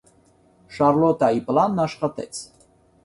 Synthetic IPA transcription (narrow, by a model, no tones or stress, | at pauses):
ʃɑɾlɔt̪ɑiplɑnːɑʃχɑt̪ɛ̰t͡sʰ